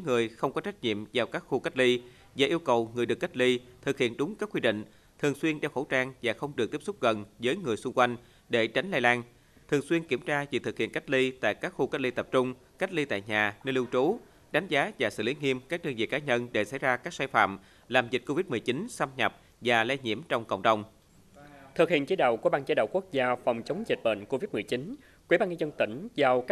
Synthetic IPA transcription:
ŋɨ˨˩əjxə˧wŋ͡mkɔ˨˦t͡ɕa˦˥k̚ɲḭ˧˨əmzaː˧˩wkaː˦˥k̚xu˧ka˦˥t̚li˧ | vaː˨˩ʔi˧əwkə˨˩wŋɨ˨˩əjɗɨ˨˩əkːa˦˥t̚li˧t̪ʰɨ˨˩k̚hḭ˧˨ənɗʊ˨˦ŋ͡mkaː˦˥kːwi˧ɗḭ̈˧˨ŋ̟ | t̪ʰɨ˨˩əŋswi˧ənɗɛ˧wxə˧˩wt͡ɕaː˧ŋvaː˨˩xə˧wŋ͡mɗɨ˨˩k̚t̪i˦˥psʊ˦˥k͡p̚ɣə˨˩nzəː˨˦jŋɨ˨˩əjsʊ˧ŋ͡mkwa˧jŋ̟ | ɗe˧˩t͡ɕa˨˦ŋ̟laː˧jlaː˧n | t̪ʰɨ˨˩əŋswi˧ənki˧˩əmt͡ɕaː˧vḭ˧˨˩t̪ʰɨ˨˩k̚hḭ˧˨ənkjk̚li˧t̪a̰ː˧˨jkaː˦˥k̚xu˧ka˦˥t̚li˧t̪ə˨˩p̚t͡ɕʊ˧ŋ͡m | ka˦˥t̚li˧t̪a̰ː˧˨jɲaː˨˩nəː˧jlɨ˧wt͡ɕu˨˦ | ɗa˨˦jŋ̟zaː˨˦vaː˨˩sɨ̰˧˨li˨˦ŋi˧əmkaː˦˥k̚ɗəː˧ŋvḭ˧˨kaː˨˦ɲə˧nɗe˧˩sa̰˧˥˩jzaː˧kaː˦˥k̚saː˧jfa̰ː˧˨m | laː˨˩mzi˨˩t̟̚ko˧vi˦˥t̚mɨ˨˩əjt͡ɕi˨˦nsa˧mɲa˨˩p̚ | vaː˨˩la˧jɲḭ˧˩əmt͡ɕɔ˧wŋ͡mkə̰˧˨wŋ͡mɗə˨˩wŋ͡m | t̪ʰɨ˨˩k̚hḭ˧˨ənt͡ɕi˨˦jɗə̰˧˨wku˧˩əɓaː˧ŋt͡ɕə˨˦ɗə̰˧˨wku˦˥ək̚zaː˧fɔ˨˩wŋ͡mt͡ɕə˨˦wŋ͡mzi˨˩t̚ɓə̰˧˨nko˧vi˦˥t̚mɨ˨˩əjt͡ɕi˨˦n | kwi˧˩ɓaː˧nɲə˧zə˧nt̪i˧˩ŋ̟zaː˨˩wkː

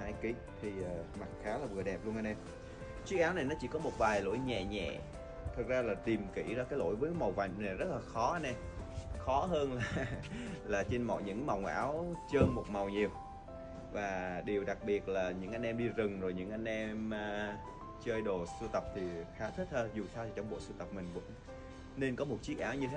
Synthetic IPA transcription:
aː˧jki˨˦ | t̪ʰi˨˩ʔəː˨˩ma˨˩t̚xaː˨˦laː˨˩vɨ˨˩əɗɛ˨˩p̚lu˧ənʔa˧nʔɛ˧m | t͡ɕwi˦˥k̚ʔaː˨˦wna˨˩jnɔ˨˦t͡ɕḭ˧˩kɔ˨˦mo˨˩t̚vaː˨˩jlo̰˧˥jɲɛ̰˧˨ɲɛ̰˧˨ | t̪ʰɨ˨˩k̚zaː˧laː˨˩t̪i˨˩mkḭ˧˥zaː˧kaː˨˦jlo̰˧˥˨jvəː˨˦jma˨˩wva̰˧˨jŋna˨˩jzə˦˥t̚laː˨˩xɔ˨˦˧nɛ˧˩xɔ˨˦ɦəː˧nlaː˨˩laː˨˩t͡ɕe˧nmɔ̰˨˩ɲɨ̰˧˥ŋma˨˩wŋ͡mʔa̰ː˨˦wt͡ɕəː˧nmo˨˩t̚ma˨˩wɲi˨˩əw̚ | vaː˨˩ɗi˨˩əwɗa˨˩k̚ɓi˨˩ət̚laː˨˩ɲɨ̰˧˥ŋʔa˧jŋ̟ʔɛ˧mɗi˧zɨ˨˩ŋzo˨˩jɲɨ̰˧˥ŋʔa˧jŋ̟ʔɛ˧mː˧ | t͡ɕəː˧jɗo˨˩sɨ˧t̪ə˨˩p̚t̪ʰi˨˩xaː˨˦t̪ʰi˦˥k̚t̪ʰəː˧zu˨˩t̪ʰaː˧wt̪i˨˩t͡ɕɔ˧ŋ͡mɓo̰˧˨sɨ˧t̪ə˨˩p̚mï˨˩ŋ̟vʊ̰˧˥ŋ͡m | ne˧nkɔ˨˦mo˨˩t̚t͡ɕi˦˥ək̚ʔaː˨˦wɲɨ˧t̪ʰe˨˦

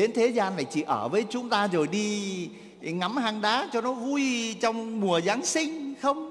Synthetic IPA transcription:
ɗe˨˦nt̪ʰe˨˦zaː˧nva˨˩jt͡ɕḭ˧˨ʔəː˧˩vəː˨˦jt͡ɕʊ˨˦ŋ͡mt̪aː˧zo˨˩jɗi˧ | ŋa˨˦mhaː˧˩ŋɗaː˨˦t͡ɕɔ˧nɔ˨˦vu˧jt͡ɕɔ˧wŋ͡mmu˨˩əzaː˨˦ŋsï˧ŋ̟xə˧wŋ͡m

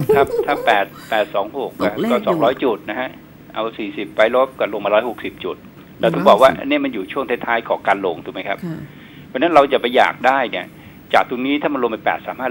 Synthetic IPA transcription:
kʰa˦˥˩p̚tʰaː˥˩pɛː˨˩t̪̚pɛː˨˩t̪̚sɔː˩˦ŋho˨˩k̚ːa˧˩˥kɔː˥˩sɔː˩˦ŋɾɔː˦˥jt͡ɕu˨˩t̪̚na˦˥kʰa˦˥ʔ | ʔa˧wsiː˨˩si˨˩p̚wa˧˥jlo˦˥p̚kɔ˧˩lo˧ma˧ɾɔː˦˥jho˨˩k̚si˨˩p̚t͡ɕu˨˩t̪̚ | lɛ˧wt̪ʰu˨˦bɔː˨˩k̚waː˥˩ʔni˥˩əma˧njuː˨˩t͡ɕʰu˥˩əŋt̪ʰe˦˥t̪ʰːaː˦˥jkʰɔː˩˦ŋkaː˧nlo˧ŋt̪ʰuː˨˩ma˦˥jkʰa˦˥p̚ʰ | ɔ˧˥na˦˥nɾa˧wt͡ɕa˨˩pa˧jːa̰ː˨˩k̚daː˥˩jni˥˩ə | t͡ɕaː˨˩k̚t̪u˧niː˦˥t̪ʰaː˥˩ma˧lo˧ma˧jpɛ̰ː˨˩t̪̚saː˨˩˦mhaː˥˩

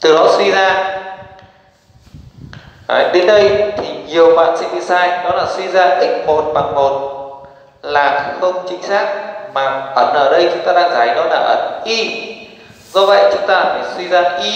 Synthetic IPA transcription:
t̪ɨ˨˩ɗɔ˨˦swi˧zaː˧ | ə˨˩ɗe˨˦nɗə˧jt̪ʰi˨˩ɲi˨˩əwɓa̰ː˧˨nsɛ̰˧˥ɗi˧zaː˧jnɔ˨˦laː˨˩swi˧zaː˧t̪ï˨˩ŋ̟mo˨˩t̚ɓa˨˩ŋmo˨˩t̚ | laː˨˩xə˧wŋ͡mt͡ɕï˨˦ŋ̟saː˦˥k̚maː˨˩ɓə˧˩nʔəː˧˩ɗə˧jt͡ɕʊ˨˦ŋ͡mt̪aː˧ɗaː˧ŋzaː˨˩jnɔ˨˦laː˨˩ʔə̰˨˧˩nʔi˧ | zɔ˧və̰˧˨jt͡ɕʊ˨˦ŋ͡mt̪aː˧˩faː˨˩swi˧zaː˧ʔi˧

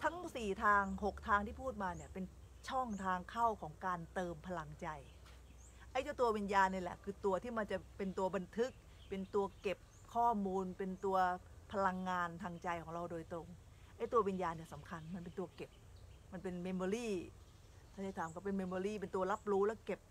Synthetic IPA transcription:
t̪ʰa˦˥ŋsiː˨˩t̪ʰaː˧ŋho˨˩k̚t̪ʰaː˧ŋt̪ʰiː˥˩pʰuː˥˩t̪̚maː˧ni˦˩ɐpe˧n | t͡ɕʰɔ˥˩ŋt̪ʰaː˧ŋkʰa˥˩wkʰɔː˩˦ŋkaː˧nt̪ɤː˧mpʰa˧la˧ŋt͡ɕa˧j | ʔa˥˩jt̪u˧˥˩t̪u˧ɐwi˧njaː˧nːi˧˥˩lɛ̰˨˩kʰɯː˧t̪u˧ɐt̪ʰiː˥˩ma˧nt͡ɕa˨˩pe˧nt̪u˧ɐba˧nt̪ʰɯ˦˥k̚ | pe˧nt̪u˧ɐke˨˩p̚ | kʰɔː˥˩muː˧npe˧nt̪u˧ɐ | pʰa˧la˧ŋːaː˧nt̪ʰaː˧ŋt͡ɕa˧jkʰɔː˩˦ŋɾa˧wdoː˧jt̪ɾo˧ŋ | ʔa˥˩jt̪u˧ɐwi˧njaː˧nːi˥˩ɐsa˩˦mkʰa˧nma˧npe˧nt̪u˧ɐke˨˩p̚ma˧npe˧nme˧moː˧ɾiː˥˩ | t̪ʰaː˥˩da˥˩t̪ʰaː˨˦mkɔ˥˩p̬e˧nme˧moː˧ɾiː˥˩p̬e˧nt̪u˧ɐla˦˥p̚ɾuː˦˥lɛː˦˥˩ke˨˩p̚

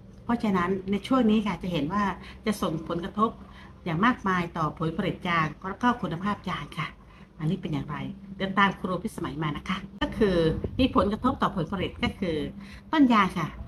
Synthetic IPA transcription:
pʰɔ˦˥t͡ɕʰa˧na˦˥nːa˧jt͡ɕʰu˥˩əŋniː˦˥kʰa˥˩t͡ɕa˨˩ɦe˩˦nwaː˥˩t͡ɕa˨˩ʔso˨˩ŋpʰo˨˩˦nkɾa˧t̪ʰo˦˥p̚ | jaː˨˩ŋmaː˥˩k̚maː˧jt̪ɔː˨˩pʰo˨˩˦npʰa˧ɾi˨˩t̪̚jaː˧ŋɾkɔː˥˩kʰu˧nːa˧pʰaː˥˩p̚jaː˧ŋkʰa˥˩ | ma˧nːiː˦˥pe˧njaː˨˩ŋɾa˧jdɯ˨˩ət̪aː˧mkʰɾuː˧pʰi˦˥t̪sa˧ma˩˦jmaː˧na˦˥kʰa˦˥kɔː˥˩kʰɯː˧miː˧pʰo˩˦nka˧t̪ʰo˦˥p̚t̪ɔː˨˩pʰo˨˩˦npʰa˧ɾi˨˩t̪̚kɔː˥˩kʰɯː˧ | t̪o˥˩njaː˧ŋkʰa˥˩

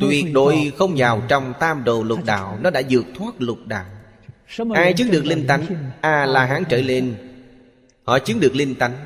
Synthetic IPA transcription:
t̪wi˨˩ək̚ɗo̰˧˨˩jxə˧wŋ͡mzaː˨˩wt͡ɕɔ˧wŋ͡mt̪aː˧mɗo˨˩lʊ˨˩t̚ɗa̰ː˧˨wnɔ˨˦ɗa̰ː˧˥zɨ˨˩ək̚t̪ʰwaː˦˥t̚lʊ˨˩t̚ɗa̰ː˧˨w | ʔaː˧jt͡ɕɨ˨˦ŋɗɨ˨˩ək̚li˧ŋ̟t̪a˨˦jŋ̟ʔaː˨˩laː˨˩ɦaː˨˦ŋt͡ɕəː˧˩le˧n | hɔ̰˧˨t͡ɕɨ˨˦ŋɗɨ˨˩ək̚li˧nŋt̪a˨˦jŋ̟

